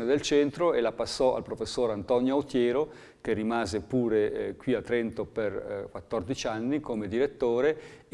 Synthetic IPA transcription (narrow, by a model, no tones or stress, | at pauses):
ned̪elt͡ʃɛnt̪ɾoelapasːɔʔa̰lpɾofesːoːɾant̪ɔnjoot̪jɛːɾo | k̟erːimaːzepuːɾekwiat̪ːɾɛnt̪operkwat̪ːord̪it͡ʃanːikomed̪iɾet̪ːoːɾe